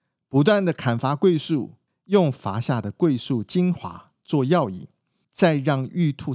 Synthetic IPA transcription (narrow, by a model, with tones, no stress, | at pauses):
pu˧˦t̪wa˥˩nd̪ə˨˩kʰa˨˩nfa˧˥kwe˥˧ɪsu˥˩ | jʊ˥˨˩ŋfa˧˥ɕja˥˩d̪ə˩kwe˥˧ɪsu˥˩t͡ɕi˦ŋxwa̰˧˥˦ | t͡swɔ˥˧jɑ˥˧ʊḭ˥˩ | t͡sa˥˧ɪɻɑ˥˧ŋy˥˧t̪ʰu˥˨